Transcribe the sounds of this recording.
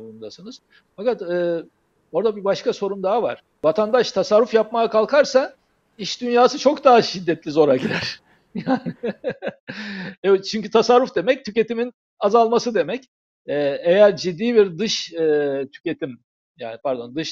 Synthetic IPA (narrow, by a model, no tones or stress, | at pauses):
bund̪asɯnɯz̥ | fakat̪ɯː | o̞ɾd̪abibaʃkaso̞ɾumd̪aɦava̰ɾ̥ | vat̪ʰand̪aʃt̪ʰasaɾːufjapmaakʰalˠkʰaɾsa | iʃd̪ynjaːsɯt͡ʃʰo̞kd̪aɦaʃid̪ːɛt̪lʲizo̞ɾaɟiɾæɾ̥ | jaːn | ɛɛt͡ʃʰyɲcyt̪ʰasaɾːufd̪e̞mɛc̚t̪ʰyce̞t̪imin | azalˠmasɯd̪e̞mɛc | ɛːe̞jæɾd͡ʒid̪ːiːbiɾd̪ɯʃɯːt̪ʰy̥ce̞t̪ʰim | ja̰ːnipʰaɾd̪o̞̰nd̪ɯʃ